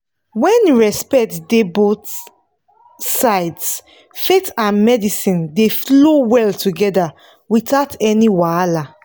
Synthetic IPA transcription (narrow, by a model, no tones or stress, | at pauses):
wɛ̃nɹɛspɛk̚tdebot | saɪds | fetãnmɛdisĩndeflowɛltuɡɛda | witaʊtɛniwala